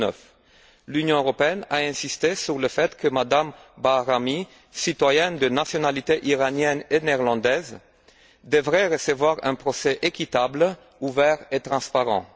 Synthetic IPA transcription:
œ̰f | lynjɔ̃øʁɔpeɛnaɛ̃sist̪esyʁləfɛt̪kʰəmad̪ambaʁami | sit̪wajɛnd̪ənasjɔnalit̪eʔiʁanjɛnenɛʁlɑ̃d̪ɛz | d̪əvʁɛʁəsəvwaʁɛ̰̃pχɔsɛʔekʲit̪abl | uvɛʁet̪χɑ̃spaʁɑ̰̃

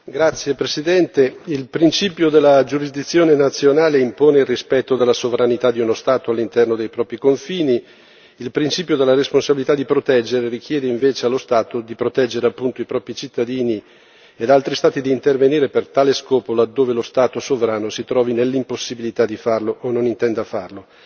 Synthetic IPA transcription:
ɡɾat̪sːjepɾesid̪ɛnt̪eilpɾint͡ʃiːpjod̪elːad͡ʒuɾizd̪it̪sːjoːnenat̪sːjonaːleimpoːneilrispɛt̪ːod̪elːasovɾanit̪ad̪ːiunost̪aːt̪oalːint̪ɛrnod̪ejpɾɔːpɾikoɱfiːni | ilpɾint͡ʃiːpjod̪elːaɾesponsabilit̪ad̪ːipɾot̪ɛd͡ʒːeɾeɾikjɛːd̪eiɱveːt͡ʃealːost̪aːt̪od̪ipɾot̪ɛd͡ʒːeɾeapːunt̪oipɾɔːpɾit͡ʃit̪ːad̪iːni | ed̪alt̪ɾist̪aːt̪id̪iːnt̪erveniːɾepert̪aːleskɔːpolad̪ːoːvelost̪aːt̪osovɾaːnosit̪ɾɔːvinelːimposːibilit̪ad̪ifarloʔonːonint̪ɛnd̪afarlo

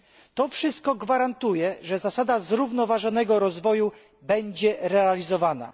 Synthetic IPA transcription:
t̪ɔfʂɘst̪̚kɔɡvaɾant̪ujɛʐɛzasad̪azɾuvnɔvaʐɔn̪ɛɡɔɾɔzvɔju | bɛɲd͡ʑɛɾɛalʲizɔvana̰

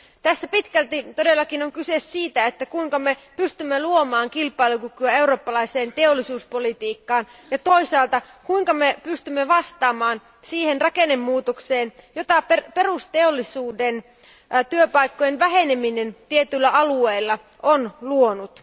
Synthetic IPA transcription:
t̪æsːæpit̪kælt̪it̪odelːɑkinoŋkysesːiːt̪æet̪ːækuiŋkɑmepyst̪ymːeluomɑːŋkilpˑɑilukykyæe̞uroːpːɑlɑiseːnt̪eolːisuːspolit̪iːkːɑːnjɑt̪oisɑːlt̪ɑ | kuiŋkɑmepyst̪ymːeʋɑst̪ɑːmɑːn | siːhenrɑkenemːuːt̪okseːnjot̪ɑpeperust̪eolːisuːden | t̪yøpɑikːojenʋæɦeneminent̪iet̪ylːæʔɑlueilːɑ | ʔonluonut̪

